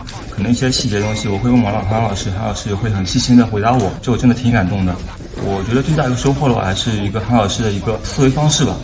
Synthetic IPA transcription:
kʰɤ˨˩nɤ˧˥ŋʰi˧˥a˧˥ɕi˥˩t͡ɕjɛ˧˥ə˧ʊ˥ŋɕɻ̩i˥˩wɔ˨˩xwe˥ɪwə˥˩nwɑ˧˥lɑ˨˩xlɑ˨˩ʊʂɻ̩˥˩xlɑ˨˩ʊʂɻ̩˥˩jɔ˧˥xwe˥˩ɪxə˨˩nɕi˥˩ɕi˥nd̪ə˨xwe˧˥t̪a˧˥wɔ˨˩˦ʈ͡ʂɤ˧˥ɡʈ͡ʂd̪ə˩t̪ʰi˧˥ŋka˨˩nt̪ʊ˥˩ŋd̪ə˩ | wʔɔ˨˩t͡ɕɥɛ˧˥d̪ə˧t͡swta˥˩˧ʂo˥ʊxwɔ˥˩lə˩wɔ̰˨˩a̰˧˥ɪʂɻ̩˥˩i˧˥ɡə˧xa˧˥ŋlɑ˨˩ʊʂɻ̩˥˩d̪ə˩i˧˥ɡə˧sɹ̩˥˧we˧˥ɪfɑ˥ŋʂɻ̩˥˩bɐ̰˩

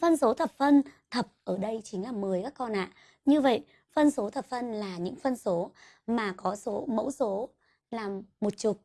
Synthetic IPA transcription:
fə˧nso˨˦t̪ʰə˨˩p̚fə˧nt̪ʰə˨˩p̚ʔəː˧˩ɗə˧jt͡ɕï˨˦ŋ̟laː˨˩mɨ˨˩əjkaː˦˥kːɔ˧nʔa̰ː˧˨ʔ | ɲɨ˧və̰˧˨jʔ | fə˧nso˨˦t̪ʰə˨˩p̚fə˧nlaː˨˩ɲɨ̰˧˥ŋfə˧nso˨˦ | maː˨˩kɔ˨˦so˨˦mə̰˧˥wso˨˦ | laː˨˩mːo˨˩t̚t͡ɕʊ˨˩t̚

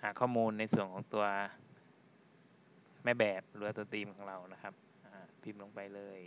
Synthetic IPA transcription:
haː˨˩˦kʰɔː˥˩muː˧nːa˧jsu˨˩əŋkʰɔː˩˦ŋt̪u˧ɐ | mɛː˦˥˩bɛː˨˩p̚lɯː˩˦waː˧t̪u˧ɐt̪iː˧mkʰɔː˩˦ŋɾa˧wna˦˥kʰa˦˥p̚ | ʔaː˨˩pʰi˧˩mlo˧ŋpa˧jlɤː˧j

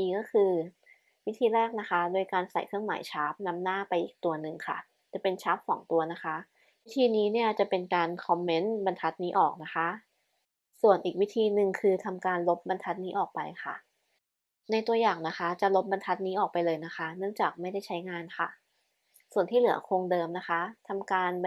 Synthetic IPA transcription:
kɔː˥˩kʰɯː˧ | wi˦˥t̪ʰiː˧ɾɛː˥˩k̚na˦˥kʰa˦˥doː˧jkaː˧nsa̰˨˩jkʰɾɯ˥˩əŋma̰ː˩˦jt͡ɕʰaː˦˥p̚na˦˥mnaː˥˩pa˧jʔiː˨˩k̚t̪u˧ɐnɯ˨˩ŋkʰa̰˥˩ | t͡ɕa˨˩pe˧nt͡ɕʰaː˦˥p̚sɔ̰ː˩˦ŋt̪u˧ɐna˦˥kʰa˦˥ʔ | wt̪ʰiː˧niː˦˥ni˥˩ɐt͡ɕa˨˩pe˧nkaː˧nkʰɔ˧mːe˦˥nba˧nt̪ʰa˦˥t̪̚niː˦˥ʔɔː˨˩k̚na˦˥xʰa˦˥ʔ | su˨˩ənʔiː˨˩k̚wi˦˥t̪ʰiː˧nɯ˨˩ŋkʰɯː˧t̪ʰa˧mkaː˧nlo˦˥p̚ba˧nt̪ʰa˦˥t̪̚niː˦˥ʔɔː˨˩k̚pa˧jxʰa̰˥˩ | na˧jt̪u˧ɐjaː˨˩ŋna˦˥kʰa˦˥t͡ɕa˨˩lo˦˥p̚ba˧nt̪ʰa˦˥t̪̚niː˦˥ʔɔː˨˩k̚pa˧jlɤː˧jna˦˥kʰa˦˥nɯ˥˩əŋt͡ɕaː˨˩k̚ma˥˩jda˥˩jt͡ɕʰa˦˥jŋaː˧nkʰa˥˩ | su˨˩ənt̪ʰiː˥˩lɯ˨˩˦ɐ˦kʰo˧ŋdɤː˧mna˦˥kʰa˦˥t̪ʰa˧mkaː˧n

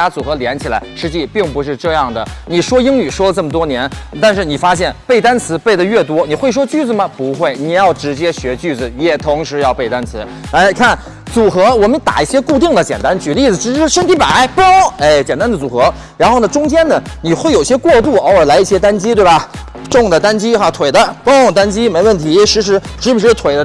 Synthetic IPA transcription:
a˥t͡su˨˩xɤ˧˥ljɛ˧˥nt͡ɕʰi˨˩la˧˥ɪʂɻ̩˥˧t͡ɕi˥˧pi˥˩ŋpu˧˥ʂ̬ɻ̩˥˧ʈ͡ʂɤ˥˧jɑ˥˩ŋd̪ə˩ni˨˩ʂwɔ˥i˥ŋny˨˩ʂwɔ˥lə˧ʈ͡ʂɤ˥˩mə˩t̪̬wɔ˥njɛ˧˥nt̪a˥˧nʂ̬ɻ̩˥˩ni˨˩fa˥ɕ̬jɛ˥˩npe˥˩ɪt̪a˥nt͡sʰɹ̩˧˥pe˥˩ɪd̪ə˩ɥɛ˥˩t̪̬wɔ˥ni˨˩xwe˥˩ɪʂ̬wɔ˥t͡ɕy˥˩d͡zɹ̩˨˩mɐ˩pu˧˥xwe˥˩ɪni˨˩jɑ˥˩ʊʈ͡ʂɻ̩˧˥t͡ɕjɛ˥ɕɥɛ˧˥t͡ɕy˥˩d͡zɹ̩˩jɛ˨˩t̪ʰʊ˧˥ŋʂɻ̩˧˥jɑ˥˧ʊpe˥˩ɪt̪a˥nt͡sʰɹ̩˧˥ | a˧˥ɪkʰa˥˩n | t͡su˨˩xɤ˧˥wɔ˨˩mə˦nt̪a̰˨˩i˥˩ɕjɛ˥ku˥˧t̪i˥˩ŋd̪ə˩t͡ɕjɛ˨˩nt̪a˥nt͡ɕy˧˩ə˧˥i˥˩d͡zɹ̩˩ʈ͡ʂɻ̩˧˥˩ʂə˥nt̪ʰi˧˥pa˨˩˦ɪpo˥e˥˩ɪt͡ɕjɛ˨˩nt̪a˥nd̪ə˩t͡su˨˩xɤ˧˥ | ɻa˧˥nxo˥˩ʊnə˩ʈ͡ʂʊ˥ŋt͡ɕjɛ˥nd̪ə˨ni˨˩xwe˥˩ɪo˨˩i˧˩ɕjɛ˥kwɔ˥˧t̪̬u˥˩ɔ˥˧ə˞˨˩la˧˥ɪi˥˩ɕjɛ˥t̪a˥nt͡ɕi˥t̪we˥˩ɪbɐ˩ | ʈ͡ʂʊ˥˩ŋd̪ə˩t̪a˥nt͡ɕi˥xa˥˩t̪ʰwe˨˩ɪd̪ə˦po˥t̪a˥nt͡ɕi˥me˧˥ɪwə˥˩nt̪ʰi˧˥ʂɻ̩˧˥ʂ̬ɻ̩˧˥ʂɻ̩˧˥u˧˩ʂɻ̩˥˩t̪ʰwe˨˩ɪd̪ə˦

